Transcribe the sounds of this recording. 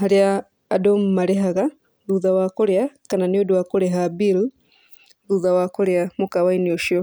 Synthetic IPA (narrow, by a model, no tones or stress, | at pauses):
haɾjaː | dommaɾeɦaɣa | ðuðawakoɾjakananiodwakoɾeɦabiɾu | ðuðawakoɾeamukawainioʃio